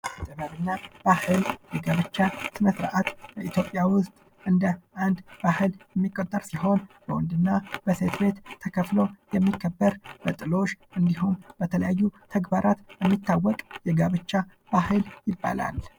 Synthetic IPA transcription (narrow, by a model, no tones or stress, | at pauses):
ʔat̪ʼːɨβəβɨnːab̥ahɨljɛɡaβət͡ʃːasɨnəsɾʔat̪bəit̪ʰjopʼːjawʊst̪ʼ | ʔɨnd̪əʔand̪b̥ahɨljɛmːikʼːət̪ʼːəɾsiɦo̞nb̥əwɔnd̪ɨnːab̥əse̞t̪be̞t̪ːʰəkʰəflo̞jɛmːikʰːəbːəɾb̥ət̪ʼɨlo̞ʃʔɨnd̪iɦumbət̪ʰələjajːut̪ʰəɡbaɾat̪jɛmːit̪ːawːɔkʼjɛɡaβət͡ʃːa | b̥ahɨljɪbːa̰la̰l